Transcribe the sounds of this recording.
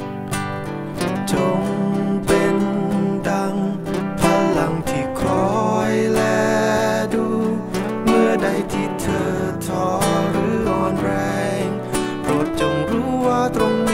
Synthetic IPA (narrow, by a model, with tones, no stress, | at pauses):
t͡ɕo˧ŋpe˧nda˧ŋ | pʰa˧la˨˧ŋt̪ʰiː˧˩kʰɔː˨˦jlɛː˧duː˧ | mɯ˧˩əda˧˩jt̪ʰiː˧˩t̪ʰɤː˧˩t̪ʰːɔː˧˩ɾɯː˨˩˦ʔɔː˨˩nɾɛː˧ŋ | t̪o˨˩t̪̚t͡ɕo˨˧˩ŋɾuː˦˥waː˧˩t̪ɾo˧ŋ